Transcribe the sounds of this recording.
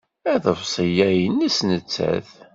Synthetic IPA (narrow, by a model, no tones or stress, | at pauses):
æðəvsˤəjæjənːæsnət͡sːæ̰θ